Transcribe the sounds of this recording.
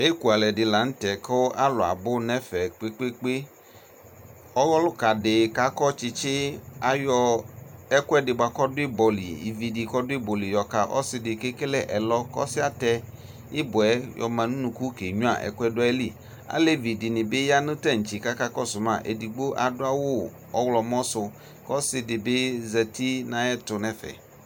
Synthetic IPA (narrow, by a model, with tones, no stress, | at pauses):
e˦ku˨a˨lɛ˨dɪ˨la˨n̩˦tɛ˨kʰɔ˦ʔa˦lʊ˨a̰˨bʊ˦nɛ˦fɛ˨k͡pe˦k͡pe˦k͡pe˦ | ɔ˦wɔ˦lʊ˦ka˨dɪ˨ka˦kɔ˦t͡ʃɪ˧t͡ʃɪ˦a˨jɔ˧ɛ˦kʊ˦ɛ˦dɪ˨ba˨kɔ˦dʊ˦i˦bɔ˨lḭ˨ḭ˨vi˨di˨kɔ˦dʊ˦i˦bɔ˨li˨jɔ˨ka˨ʔɔ̰˦sɪ˦dɪ˨ke˦ke˦lɛ˦˨ʔɛ˨lɔ˦kɔ̰˦sɪ˦a˨t̪ɛ˦ | ɪ˦bʊ˨ɛ˦jɔ̰˨mã˨nũ˦nũ˨ku˦ke˨ɲũ˦a̰˨ʔɛ̰˨kʊ˦ɛ˦dʊ˦ɛ˦li˦ | a̰˦le˦vi˨di˨nɪ̃˨bɪ˦ja˦nʊ̃˦tɛ˦˨ŋ̩˨t͡ʃi˨ka˦ka˦kɔ˦sʊ˨mã̰˦˨ʔḛ˨di˨ɡ͡bo˦ʔa˨dʊ˦a˦wʊ˦ | ɔ˦wlɔ˨m˦ɔ̃˦sʊ˨ | kɔ˦sɪ˦dɪ˨bɪ˦zɛ˨t̪i˦nã˨ɛ˦tʊ˨nɛ̃˦fɛ̰˨